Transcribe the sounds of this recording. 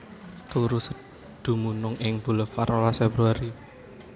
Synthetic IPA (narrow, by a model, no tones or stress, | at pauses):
t̪uɾusə | d̪̥ṳmunʊŋɪŋb̥uləfaɾolasfebɾuaɾi